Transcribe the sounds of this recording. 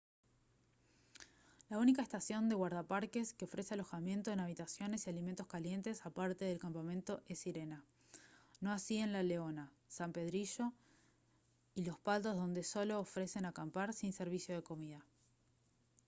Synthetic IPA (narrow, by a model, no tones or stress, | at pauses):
launikaest̪asjo̞nd̪e̞ɣwaɾð̞apaɾke̞skeo̞fɾe̞sealo̞xamje̞nt̪o̞enaβ̞it̪asjo̞ne̞sialime̞nt̪o̞skalje̞nt̪e̞sapaɾt̪e̞ðe̞lkampamẽ̞nt̪o̞ʔe̞siɾe̞na | no̞asie̞nlaleo̞na | sampe̞ð̞ɾiʃo̞ | ilo̞spalt̪o̞zðo̞nd̪e̞so̞lo̞ːfɾe̞se̞nakampaɾsinse̞ɾβ̞isjoð̞e̞ko̞miða